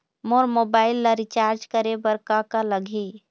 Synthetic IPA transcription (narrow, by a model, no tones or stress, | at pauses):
moɾmobaːɪlːaɾit͡ʃaɾd͡ʒkəɾebəɾkakaləɡʱi